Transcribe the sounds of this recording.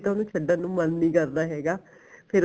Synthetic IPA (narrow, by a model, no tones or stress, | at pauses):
t̪onũːt͡ʃʰəɖːãːnũːmənːĩːkəɾd̪aːɦɛːɡaː | pʰɪɾ